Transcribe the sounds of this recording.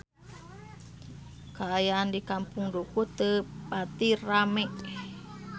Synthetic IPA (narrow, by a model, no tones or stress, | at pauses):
kaːjaːndikampuŋdukut̪əpat̪iramɛʔ